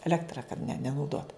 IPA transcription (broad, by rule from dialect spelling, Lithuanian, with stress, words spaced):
ɛˈlʲæːktrɐ kɐt nʲɛ nʲɛnɐʊˈdoːt